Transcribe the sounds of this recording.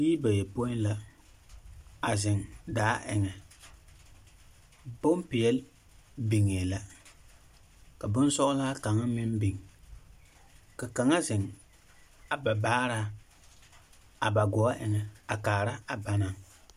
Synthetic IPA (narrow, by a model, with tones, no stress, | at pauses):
ji˦ba˨jɛ˨po˦ɪ˦n˦la˦ | a˨zɪ˨ŋdaː˦ʔɪ̰˨ŋɛ˨ | bo˦m˦pɪ˨jɛ˦l | bi˨ŋe˨la˨ | ka˨bʊ˦n˦sɔ˦ʔʊ˦la˦ka˨ŋa˦mɪ˦mbi˨ŋ | ka˨ka˨ŋa˦zɪ˨ŋ | a˨ba˨baː˦ɾa˦ | a˨ba˨ɡɔ˨a˦ʔɪ˨ŋɛ˨a˨kaː˨ɾa˦a˨ba˦na˦˨ŋ